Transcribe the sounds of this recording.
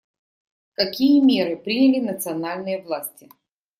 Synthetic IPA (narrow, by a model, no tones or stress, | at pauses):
kɐkʲijəmʲeɾɨpɾʲinʲəlʲɪnət̪sɨɐnalʲnɨjəvlˠasʲtʲɪ